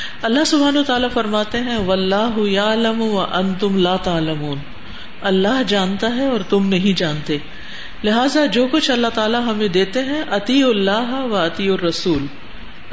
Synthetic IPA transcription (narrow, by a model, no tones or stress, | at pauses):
ɐlːaɦsʊbʱaːnaːt̪aːlafɐɾmaːt̪eɦɛ̃ʋɐlːaːɦʊjaːlɐmwɐʔɐ̃nt̪ʊmlaːt̪aːlɐmuːn | ɐlːaːɦd͡ʒaːnt̪aɦɛɔːɾt̪ʊmnɐɦĩd͡ʒaːnt̪eː | lɪɦaːzad͡ʒoːkʊt͡ʃʰɐlːaɦt̪aːlaɦɐmẽd̪eːt̪eɦɛ̃ʔɐt̪iʊlːaːɦʋɐɐt̪ijʊrːɐsuːl